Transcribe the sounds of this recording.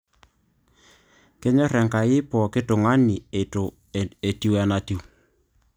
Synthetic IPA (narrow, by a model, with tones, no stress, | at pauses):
kɛ˦ɲɔ˦ɾɛ˨ŋka˨jɪ˦pɔ˨kɪ˦tʊ˨ŋa˦ni˨e˨t | e˨ti˦wɛ˦na˨ti˨w